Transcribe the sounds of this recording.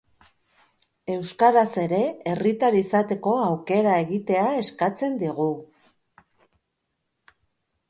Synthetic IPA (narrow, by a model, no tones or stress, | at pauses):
e̞wskaɾase̞ɾe̞erit̪aɾisat̪e̞ko̞awke̞ɾae̞ɣit̪e̞ae̞skat͡se̞nd̪iɣ̞u